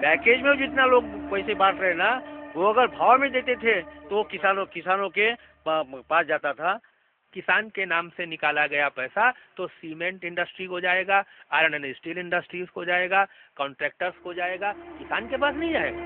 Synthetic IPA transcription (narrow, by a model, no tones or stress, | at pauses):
pɛːkeːd͡ʒmẽd͡ʒɪt̪naloːɡ̚poɪsebaːʈ̪ɾəɦenaʋoɐɡəɾbʱaːʋmẽd̪eːt̪et̪ʰet̪oʋokɪsaːnõkɪsaːnõke | paːsd͡ʒaːt̪at̪ʰa | kɪsaːnkenaːmsenɪkaːlaɡɐjapɛːsat̪osiːmẽɳʈɪ̃ɳɖəsʈɾikod͡ʒaːeːɡaaːɾɐnənisʈiːlɪ̃ɳɖəsʈɾiskod͡ʒaːeːɡakɔ̃ːɳʈɾɛːk̚ʈəɾskod͡ʒaːeːɡakɪsaːnkepaːsnɐɦĩd͡ʒaːḛɡa